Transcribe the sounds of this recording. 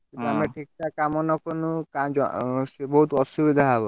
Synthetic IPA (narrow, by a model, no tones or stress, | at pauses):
it̪amɾaʈʰik̚ʈakamɔnɔkonukad͡ʒɔ̰ebɔɦut̪ɔʃubid̪ʱaɦabɔ